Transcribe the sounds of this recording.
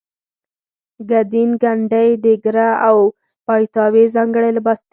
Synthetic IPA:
ɡad̪inɡaɳɖajd̪əɡɾaaw | pajt̪ɑwezɑŋɡəɽaləbɑst̪

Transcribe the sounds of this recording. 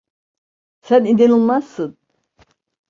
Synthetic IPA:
sænid̪enulˠmaz̥sɯn

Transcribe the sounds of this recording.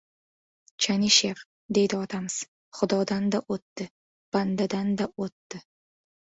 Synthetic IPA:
t͡ʃʰaniʃeɾ | d̪e̞jd̪ɪɒt̪ʰamɪz̥ | χʊd̪ɒd̪and̪aʔot̪ːɪ | b̥and̪ad̪and̪aot̪ːɪ

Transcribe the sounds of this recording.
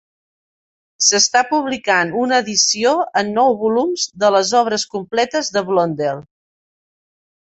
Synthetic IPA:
səst̪apuβ̞likanunəːðisioənːɔwβulumzðələzɔβ̞ɾəskumplɛt̪əzðəβlond̪elˠ

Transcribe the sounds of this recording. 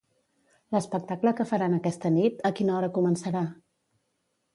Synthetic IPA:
ləspək̚t̪akləkəfəɾanəkɛst̪ənit̪əkinəɔɾəkumənsəɾa

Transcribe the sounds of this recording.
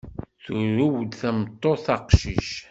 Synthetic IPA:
θʊɾuwd̪θæmt̪ˤːoθɑqʃiʃ

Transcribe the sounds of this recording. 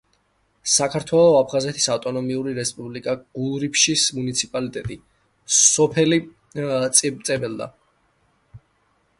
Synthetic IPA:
sakʰaɾt̪ʰwɛlˠɔapʰχazɛt̪ʰi̥saft̪ʼɔnɔmiuɾiɾɛspʼublikʼaɡ̥ulˠɾipʰʃismunit̪sʰipʼalit̪ʼɛt̪ʼi | sɔpʰɛli | t̪sʼit̪sʼɛbɛlˠd̪a̰

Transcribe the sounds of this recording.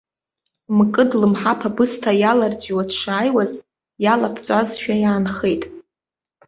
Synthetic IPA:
mkʼɨdlɨmħapʰabɨstʰajalard͡zʼiwadʂaːjwaz | jalapʰt͡sʷʼazʃᶣajaːnχe̞jtʼ

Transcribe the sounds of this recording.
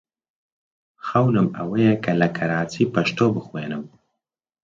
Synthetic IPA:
xɐwnɨmɐ̰wɐjɛkʰɐlɐkʰɐɾaːt͡sʰiːpɐʃt̪oːbɨxweːnɨm

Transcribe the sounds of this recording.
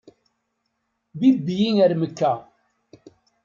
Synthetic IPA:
bibːjiŋæɾməkːæ

